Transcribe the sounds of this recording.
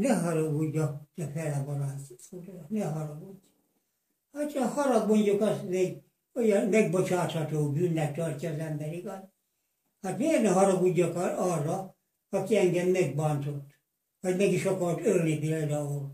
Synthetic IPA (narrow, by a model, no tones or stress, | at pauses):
nɛɦɒɾɒɡuɟːɑd̪ɛfɛlɛboɾaːt̪ud̪nɛɦɒɾɑɡuɟː | hɑt͡ʃɑhɒɾɒɡmoɲɟokɒst̪meɡ | ojɑmɛɡbot͡ʃaːt̪hɒt̪oːbynːɛt̪ːɒrcʲːɒːzɛmbɛɾiɡɑt̪ | hat̪meːrnɛɦɒɾɒɡuɟːɒkɒrːɒ | ɒkiɛŋɡɛmːɛɡ̚bɑnt̪ot̪ː | ʋɒɟmɛɡiʃokɒlt̪ølnipild̪ɑul